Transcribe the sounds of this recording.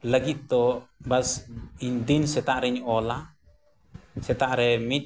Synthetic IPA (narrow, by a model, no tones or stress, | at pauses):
ləɡit̪̚d̪ɔbasiɲd̪insɛt̪aʔɾɛiɲɔla | sɛt̪aʔɾɛmit̪̚